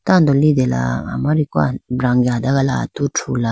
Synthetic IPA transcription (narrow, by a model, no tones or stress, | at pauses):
t̪and̪olid̪ela̰a̰maɾika̰bɾaŋɡiɦad̪aɡala̰t̪uʈ͡ʂʰula